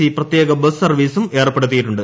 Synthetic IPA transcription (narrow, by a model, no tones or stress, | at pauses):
iːprɐt̪jeːɡɐbɐssɐrʋiːsume̞ːrɐpːeɽut̪̬ːijiʈːuɳɖɨ